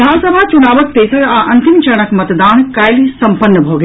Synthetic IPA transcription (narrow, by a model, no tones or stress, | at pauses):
d̪ʱaːnsəbʱat͡ʃʊnaːʋək̚t̪eːsəɽaʔɐ̃nt̪ɪmt͡ʃɐɽ̃əkmɐt̪d̪aːnkaːɪlisɐ̃mpənːəbʱoːɡe